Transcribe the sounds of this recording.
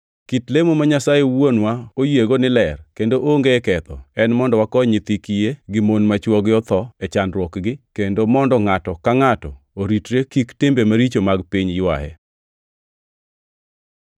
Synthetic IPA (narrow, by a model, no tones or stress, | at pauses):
kitlemomaɲasajewonwaojeɡonɪlɛrkendoʔoŋɡekɛt̪ɔ̰ɛnmɔndɔwakɔɲɪt̪ikijeɡɪmonmat͡ʃwɔɡɪɔt̪ɔet͡ʃandɾwɔkɡɪkendomɔndɔŋatɔkaŋatɔ | oɾitɾekiktɪmbemaɾit͡ʃomaɡpiɲjwa̰hɛ̰